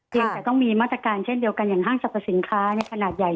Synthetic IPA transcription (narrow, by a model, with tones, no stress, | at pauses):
pʰiː˧ŋt̪ɛː˨˩t̪ɔ˥˩ŋmiː˧maː˥˩t̪ɾa˧kaː˧nt͡ɕʰe˥˩ndi˧əwka˧njaː˨˩ŋɦaː˥˩ŋsa˨˩p̪ʰːa˧si˩˦nkʰaː˦˥ni˥˩ɐkʰa˧naː˨˩t̪̚ja˨˩j